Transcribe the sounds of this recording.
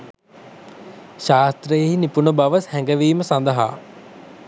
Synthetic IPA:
ʃaːst̪ɾəjeɦinipunəbaʋəshɛŋɡəʋiːməsand̪əɦa̰ː

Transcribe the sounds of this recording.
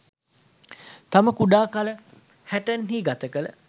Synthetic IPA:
t̪aməkuɖaːkalə | hæʈənɦiːɡat̪əkələ̰

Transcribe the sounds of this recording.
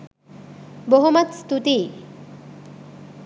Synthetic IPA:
boɦumat̪st̪ut̪i

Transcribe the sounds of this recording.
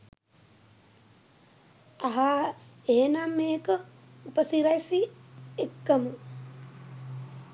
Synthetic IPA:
aɦaeɦenamːeːkə | upəsiɾajsiekːəmə

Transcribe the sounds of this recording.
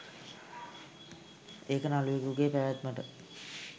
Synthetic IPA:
eːkənaluʋekuɡeːpæʋæt̪məʈə

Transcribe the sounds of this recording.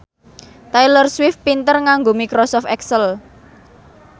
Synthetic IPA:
t̪ajlərswɪfpint̪ərŋaŋɡomikɾɔsɔft̪ɛksəl

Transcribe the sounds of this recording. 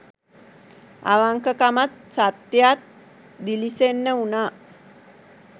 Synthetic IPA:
a̰ʋaŋkəkamat̪̚sat̪ːjat̪̚ | d̪ilisenːəuna

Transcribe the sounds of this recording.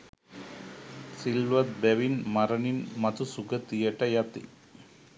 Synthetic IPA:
silʋɐt̪̚bɛʋinmɐɾɐninmɐt̪usuɡɐt̪ijɐʈɐjɐt̪ḭ

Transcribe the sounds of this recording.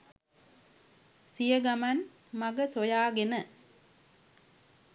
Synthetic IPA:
sijɐɡɐmɐn | mɐɡɐsojaːɡenə

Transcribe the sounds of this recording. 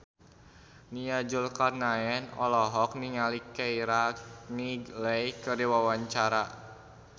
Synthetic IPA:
niad͡ʒulkarnaɛnɔlɔɦɔk̚niŋalikɛiɾaniɡlɛjkəriwawaɲt͡ʃaɾa

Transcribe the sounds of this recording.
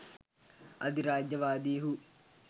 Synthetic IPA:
ɐd̪iɾaːd͡ʒjɐʋaːd̪iːɦu

